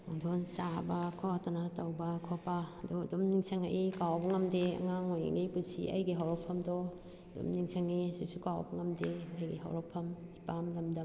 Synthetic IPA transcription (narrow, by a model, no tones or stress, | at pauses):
uŋdʰonsabɐkʰotɐnatɐwbɐkʰopadudumniŋsʰɐŋa̰ʔikawbɐŋɐmdeɐ̰ŋaŋojḭŋɡipusḭʔɐ̰jɡiɦawɾɐpʰːɐmdɔ | dṵmniŋsʰɐŋisisukawbɐŋɐmdeɐjɡḭɦɐ̰wɾɐpʰɐmipamlɐmdɐm